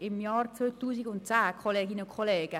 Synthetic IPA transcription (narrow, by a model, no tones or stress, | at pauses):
ɪmjaːrtt͡søːt̪uːsiɡʊntt͡saːkʰɔleːɡinəkʰɔleːɡ̥ə